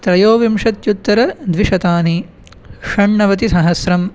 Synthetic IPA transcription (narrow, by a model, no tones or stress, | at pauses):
t̪ɾɐjoːʋimʂɐt̪jut̪ːɐɾɐd̪ʋiʂɐt̪aːni | ʂɐɳːɐʋɐt̪isɐɦɐsɾɐm